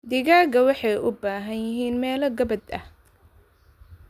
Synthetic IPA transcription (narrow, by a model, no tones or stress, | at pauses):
d̪ɪɣaːɡɐwɑħɑjʔʊbaːɦɐnjɪɦiːnmɛːlɐɡɐbɐd̪ɐ̰h